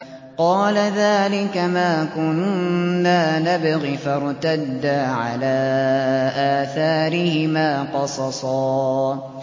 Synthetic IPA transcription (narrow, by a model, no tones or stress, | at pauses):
qɑːlaðaːlɪkamaːkʊnnːaːnabaɣifaɾˤt̪ad̪ːaʕalaːʔaːθaːɾɪhɪmaːqɑsˤɑsˤɑː